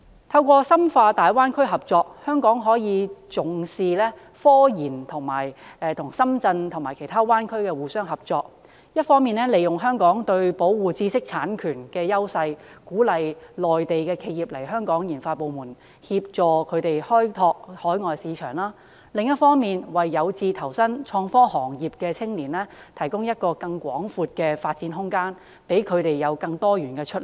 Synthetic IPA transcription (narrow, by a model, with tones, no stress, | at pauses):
t̪ʰɐ˧wkɔː˧sɐ˥mfaː˧t̪aː˨jwaː˥nkʰɵ˥ɥɦɐ˨p̚t͡sɔː˧k̚hœː˥ŋkɔː˨˥ŋɦɔː˨˥jiː˨˧t͡sʊ˨ŋsiː˨˧lɛː˥ | fɔː˥jiː˨˩nt̪ʰʊ˨˩ŋma̰ː˨˩jɛ˨˧t̪ʰʊ˨˩ŋsɐ˥mt͡sɐ˧nt̪ʰʊ˨˩ŋmaː˨˩kʰe˨˩jt̪ʰaː˥waː˥nkʰɵ˥ɥkɛː˧wuː˨sœː˥ŋɦɐ˨p̚t͡sɔː˧k̚ | jɐ˥t̚fɔː˥ŋmiː˨nɛː˥le˨jʊ˨ŋɦœː˥ŋkɔː˨˥ŋt̪ɵ˧ɥpo˨˥wwuː˨t͡siː˥sɪ˥k̚t͡sʰaː˨˥nkʰyː˨˩nkɛː˧jɐ˥wsɐ˧jkuː˨˥lɐ˨jlɔː˨˩jt̪e˨jkɛː˧kʰe˨˧jiː˨p̚lɐ˨˩jɦœː˥ŋkɔː˨˥ŋjiː˨˩nfaː˧t̚po˨wmuː˨˩n | hiː˧p̚t͡sɔː˨˩kʰɵ˨˧t̪e˨jhɔː˥jt̪ʰɔː˧k̚hɔː˨˥jŋɔː˨˩jsiː˨˧t͡ʃʰœː˨˩ŋlaː˥ | lɪ˨ŋjɐ˥t̚fɔː˥ŋmiː˨nwɐ˨jːɐ˨˧wt͡siː˧t̪ʰɐ˨˩wsɐ˥nt͡ʃʰɔː˧ŋfɔː˥hɔː˨˩ŋjiː˨p̚kɛː˧t͡sʰɪ˥ŋliː˨˩nlɛː˥t̪ʰɐ˨˩jkʊ˥ŋjɐ˥t̚kɔː˧kɐ˧ŋkʷɔː˨˥ŋfuː˨˧t̚kɛː˧faː˧t̚t͡siː˨˥nɦʊ˥ŋkaː˥n | pe˨˥jkʰɵ˨˧t̪e˨jːɐ˨˧wkɐ˧ŋt̪ɔː˥ɥyː˨˩nkɛː˧t͡ʃʰɵ˥t̚l